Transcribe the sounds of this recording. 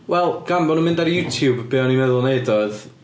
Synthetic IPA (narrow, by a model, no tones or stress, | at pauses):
wɛlˠɡ̥ambɔnunmɪ̃ndaɾjutʰjubbɪːɔnimɛðʊlˠnejdɔɨð